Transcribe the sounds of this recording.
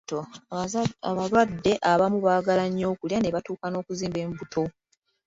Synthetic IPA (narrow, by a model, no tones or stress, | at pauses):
to | βalwadːe̞ʔaβamuβaːɡalaɲːo̞ːkuljane̞βatuːkano̞ːkuziːmbeːmbutʰo̞